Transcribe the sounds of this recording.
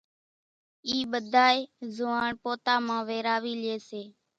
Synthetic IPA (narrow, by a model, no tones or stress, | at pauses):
iːɓəd̪ʱaːeːzʊːaːɳpoːt̪aːmãːʋeːɾaːʋiːlɪeːseː